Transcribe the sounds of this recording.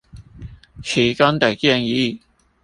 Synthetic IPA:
kʰi˨˩kɐ˥nt̪ɐ˨˩kɛ˥˧ŋjiː˨˥˩

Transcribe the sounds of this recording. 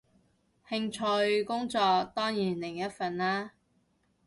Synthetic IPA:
hɪ˧ŋt͡ʃʰɵ˧jkʊ˥ŋt͡sɔː˧k̚t̪ɔː˥ŋjiː˨˩nlɪ˨˩ŋjɐ˥t̚fɐ˨nlaː˥

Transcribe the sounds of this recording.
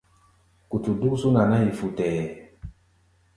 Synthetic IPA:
ku˨tu˨du˦ksu˦na˨na˦i˨fu˨tɛː˨

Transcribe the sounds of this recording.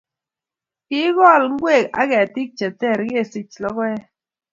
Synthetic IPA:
ki˦ɣɔ˦˨lŋ̩˦ɡwe˦˨ka̰˦kɛ˨a˨ti˦k̚t͡ʃɛ˨t͡sɛ˦˨ɾke˦˨si˦t͡ʃlɔ˦kɛ˦

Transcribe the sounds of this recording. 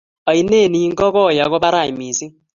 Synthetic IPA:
a˨i˨ne˦˨ni˨˦ŋɡɔ˦kɔ˦˨ja˨kɔ˦ba˦ɾa˦˨i˨mi˨si˦

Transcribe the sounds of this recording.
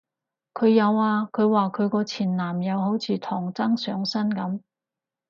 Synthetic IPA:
kʰɵ˨˧ɥjɐ˨˧waː˧kʰɵ˨˧ɥwaː˨kʰɵ˨˧ɥkɔː˧t͡sʰiː˨˩nlaː˨˩mjɐ˨˧wɦo˨˥wt͡sʰiː˨˧t̪ʰɔː˨˩ŋt͡sɐ˥ŋsœː˨˧ŋsɐ˥nkɐ˨˥m

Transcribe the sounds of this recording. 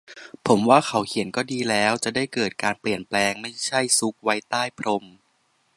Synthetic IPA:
pʰo˩˦mwaː˥˩kʰa˦˥wkʰi˨˩˦ənkɔː˥˩diː˧lɛː˦˥wt͡ɕa˨˩daː˥˩jkɤː˨˩t̪̚kaː˧npli˨˩ənplɛː˧ŋma˥˩jt͡ɕʰa˥˩jsu˦˥k̚wa˦˥jt̪aː˥˩jpʰɾo˧m

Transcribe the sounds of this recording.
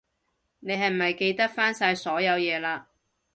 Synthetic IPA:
ne˨˧jɦɐ˨jm̩˨˩mɐ˨jke˧jt̪ɐ˥k̚faː˥nsaː˧jsɔː˨˥jɐ˨˧wjɛː˨˧laː˧

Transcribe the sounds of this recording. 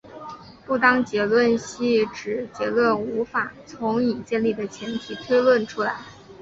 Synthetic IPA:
pu˥˩t̪ɑ˥ŋt͡ɕjɛ˧˥lwə˥˩nɕi˥˩ʈ͡ʂɻ̩˨˩t͡ɕjɛ˧˥lwə˥˩nu˧˥fa˨˩t͡sʰʊ˧˥ŋi˨˩t͡ɕjɛ˥˧nli˥˩d̪ə˩t͡ɕʰjɛ˧˥nt̪ʰi˨˩t̪ʰwe˥ɪlwə˥˩nʈ͡ʂʰu˥la˧˥ɪ

